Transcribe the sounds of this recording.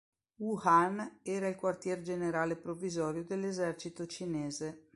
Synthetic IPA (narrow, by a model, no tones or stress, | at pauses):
uhanɛːɾailkwart̪jɛːɾd͡ʒeneɾaːlepɾovːizɔːɾjod̪elːezɛrt͡ʃit̪ot͡ʃineːze